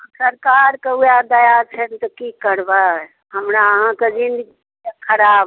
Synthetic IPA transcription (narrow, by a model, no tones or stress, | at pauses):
səɾkaɾkeɦujad̪əjat͡ʃʰɛnt̪ɔkikəɾba | ɦəmɾaəɦãked͡ʒind̪əɡi | ekʰəɾab